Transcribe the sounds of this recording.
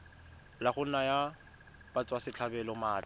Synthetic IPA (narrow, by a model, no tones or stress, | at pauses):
laχʊn̩naja | bat͡sʼwasɪt͡ɬʰabɛlɔmaːd